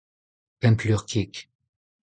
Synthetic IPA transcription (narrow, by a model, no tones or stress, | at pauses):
pɛ̃mplyʁkʰik